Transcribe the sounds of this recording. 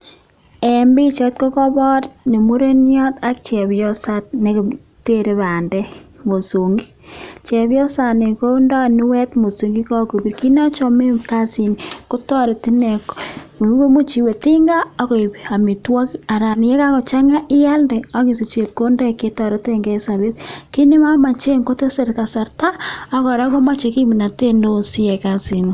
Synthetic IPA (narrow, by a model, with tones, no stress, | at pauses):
ɛ˨mbi˦t͡ʃɔ˦t̚ko˦kɔ˦bɔ˦tne˨mo˦ɾe˦njɔ˦ta˦k̚t͡ʃɛ˨bjɔ˦sa˦t̚ne˦k | te˦ɾe˦βa˨ndɛ˦mo˨so˨ŋɡi˦t͡ʃɛ˨βjɔ˦sa˨ne˨ko˦ndɔ˦˨ni˦wɛ˦tmo˨so˨ŋɡi˦kɔ˦ko˨pi˨ɾki˦na˦t͡ʃɔ˦me˦mka˦si˨nko˦tɔ˦ɾe˨ti˦nɛ˨kwe˦mo˦t͡ʃi˨we˨tɪ˦ŋɡa˦ɔ˦ko˨pi˨a˨mi˨twɔ˦ka˨ɾa˨n˨jɛ˦ka˦ko˨t͡ʃa˦ŋa˦ʔɪ˦ja˦lde˨ɔ˦ki˨si˨t͡ʃe˨p̚ko˦ndɔ˦˨ke˦tɔ˨ɾo˦te˦˨ŋɡɛ˦sa˨βe˦tki˦nɪ˦ma˦ma˨t͡ʃe˦ŋko˦te˦se˨rt̚ka˨sa˨ɾta˦a˦kɔ˨ɾa˦ko˦ma˦t͡ʃe˨ki˦mi˨na˨te˦ndo˦si˦ɛ˨ka˦si˨ni˨